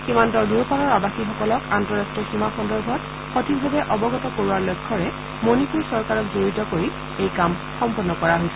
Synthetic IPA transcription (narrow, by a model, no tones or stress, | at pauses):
ximantɔɹduɹpalɔɹabaxixɔkɔlɔkantɔɹastɔximaxɔndɔɹbʱɔt | xotibʱabɛʔɔbɔɡɔtɔkoɹuwaɹlɔjkʰːɔɹɛ | monipuɹsɔɹkaɹɔkzoɹitɔkoɹi | ejkam | xɔmpɔnːɔkɔɹaɦojsɛ